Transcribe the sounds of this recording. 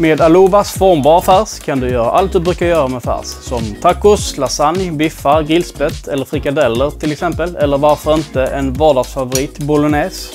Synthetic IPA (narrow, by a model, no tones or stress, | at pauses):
meːd̪aluːvasfɔɾmbɑːɾafæːɾskʰand̪ɵjœːɾa̰ʔalt̪̚d̪ɵbɾʉ̟ːkajœːɾamɛd̪fæ̰ːɾsːɔmt̪ʰakːʊslasanjbɪfːaɾɡɪlsbɛt̪ʰɛlːəɾfɾɪkad̪ɛlːəɾt̪ʰɪlɛksɛmpəlɛlːəɾvaɾfœɾɪnt̪əʔɛnvɑːɖɑːɡsfavʊɾiːt̪bʊlʊneːs